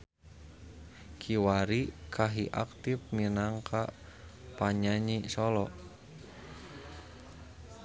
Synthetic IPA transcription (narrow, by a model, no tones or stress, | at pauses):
kʰiwaɾikʰaɦiʔa̰k̚t̪ifminaŋkʰa | paɲaɲisɔlɔ